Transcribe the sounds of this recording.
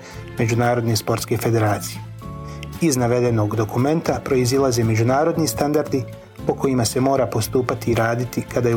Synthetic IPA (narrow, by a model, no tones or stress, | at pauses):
me̞d͡ʒunaːɾo̞d̪nespo̞ɾt̪ske̞fe̞d̪e̞ɾaːt̪sije | iznaʋe̞d̪e̞no̞ɡd̪o̞kume̞nt̪apɾo̞izilˠaze̞me̞d͡ʑunaːɾo̞d̪nist̪and̪aɾd̪i | po̞ko̞imase̞mo̞ːɾapo̞st̪uːpat̪iːɾaːd̪it̪ikad̪aj